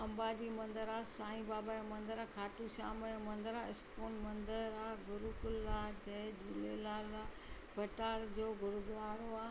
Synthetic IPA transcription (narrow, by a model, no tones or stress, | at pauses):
ɐ̃mbaːd͡ʑimɐ̃nd̪əɾaːsãːĩbaːbaemɐ̃nd̪əɾakʰaːʈuʃaːmɛẽmɐ̃nd̪əɾaɪskuːnmɐ̃nd̪əɾɾaːɡʊɾukʊlaːd͡ʑɐːd͡ʑʱuːlelaːlaː | bɐʈaːɾd͡ʑoːɡʊɾʊd̪aːɾoaː